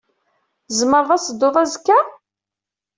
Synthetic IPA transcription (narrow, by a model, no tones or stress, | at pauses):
zməɾðˤɑsəd̪ːʊðˤæzkːæ